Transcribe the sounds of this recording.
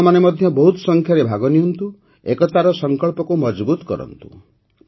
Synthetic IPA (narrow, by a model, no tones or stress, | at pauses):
manemɔd̪ʱjɔbɔɦut̪ɔ̥sɔŋkʰjaɾebʱaɡɔniɦunt̪u | ekɔt̪aɾɔsɔŋkɔɭpɔkumɔd͡ʒbut̪ɔ̥kɔ̰ɾɔ̰nt̪u̥̰